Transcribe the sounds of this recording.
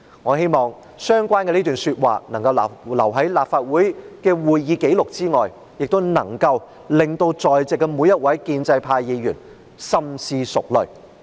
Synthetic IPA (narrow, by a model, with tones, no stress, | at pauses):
ŋɔː˨˧ɦe˥jmɔː˨ŋ | sœː˥ŋkʷaː˥nkɛ˧liː˥t̪yː˨˩nsyː˧t̚wa̰ː˨nɐ˨˩ŋkɐ˧wlɐ˨˩wɦɐ˨˥jlaː˨˩p̚faː˧t̚wuː˨˥jkɛː˧wuː˨jjiː˨˧ke˨˥jlʊ˨k̚t͡siː˥ŋɔː˨˩j | jɪ˨k̚t̪wnɐ˨˩ŋkɐ˧w | lɪ˨ŋt̪o˧wt͡sɔː˨˩jt͡sɪ˨˩kːɛ˧muː˨˧jːɐ˥t̚wɐ˨˥jkiː˧nt͡sɐ˧jpʰaː˧jji˨˧ɥyː˨˩n | sɐ˥msiː˧sʊ˨k̚lɵ̰˨˩ɥ